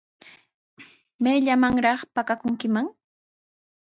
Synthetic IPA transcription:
meʎamaŋɾɑχpakakʊŋkɪmaŋ

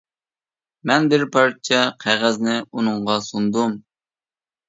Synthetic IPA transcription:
mɛnbɪɾpʰɑɾt͡ʃʰɛqʰæʁæznɪunɨŋʁɑsund̪um

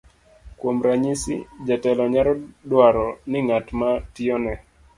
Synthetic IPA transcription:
kwomɾaɲisḭd͡ʒatɛlɔɲaɾɔdwaɾɔnɪŋatmatɪɔnɛ

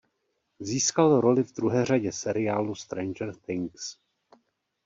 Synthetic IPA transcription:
ziːskalɾo̞lɪvd̪ɾuɦɛːr̝aɟɛsɛɾɪjaːlust̪ɾɛnd͡ʒɛɾθɪŋks

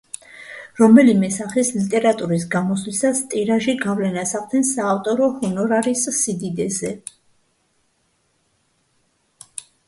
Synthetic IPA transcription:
ɾɔmɛlimɛsaχislit̪ʼɛɾat̪ʼuɾis̬ɡamɔslisast̪ʼiɾaʒiɡavlɛnasaqʼd̪ɛnsaːft̪ʼɔɾɔhɔnɔɾaɾisːid̪id̪ɛzɛ

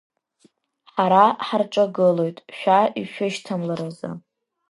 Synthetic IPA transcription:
ħaɾaħarʈ͡ʂʼaɡɨlojtʼʃᶣaiʃᶣʊʃtʰamlaɾoza̰

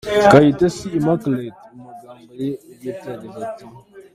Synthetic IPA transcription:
kajitasiimakletmuɡaməɾijetadəvati

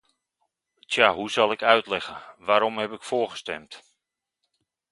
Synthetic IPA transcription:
tjaːɦusɑlˠɪkœɥtlɛɣəʋaːɾɔmhɛpɪkfoːɹχə̥stɛ̰mt

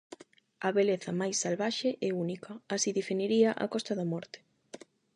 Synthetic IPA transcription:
ɐβeleθɐmajsːalβaʃeʔɛunikʰɐːsiðifiniɾiaʔa̰kɔst̪ɐðamɔɾt̪ɪ̥

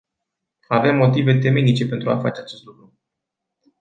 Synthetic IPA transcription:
ave̞mːo̞t̪ive̞t̪e̞menit͡ʃe̞pe̞nt̪ɾua̰fat͡ʃe̞at͡ʃe̞st̪lukɾu

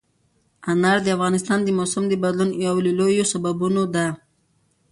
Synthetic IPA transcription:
anaɾd̪əafɣɑnɪst̪ɑnd̪əmosamd̪əbad̪lunjawllojosababunod̪a

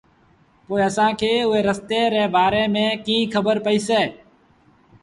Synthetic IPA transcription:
poːiːəsãːkʰeːʊɦeːɾəst̪eːɾɛːbaːɾeːmẽːkĩːkʰəbəɾpəiːseː

